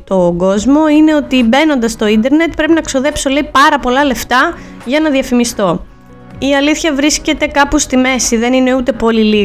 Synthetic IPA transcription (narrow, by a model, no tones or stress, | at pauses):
t̪o̞ɡo̞zmo̞ine̞o̞t̪ibe̞no̞nd̪ɐst̪o̞ind̪e̞ɾne̞t̪̚pɾe̞pinɐkso̞ðe̞pso̞le̞ipɐɾɐpo̞lɐle̞ft̪ɐ | ʝɐnɐðiɐfimist̪o̞ | iɐliθçɐvɾisce̞t̪e̞kɐpust̪ime̞siðe̞nine̞ut̪e̞po̞lili